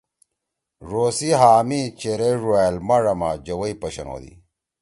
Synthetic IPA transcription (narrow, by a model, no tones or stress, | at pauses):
ʐoːsiɦaːmit͡ɕeɾeʐuaːlmɐɾɐma̰d͡ʑɐwɐipɐɕɐno̰ːd̪ḭ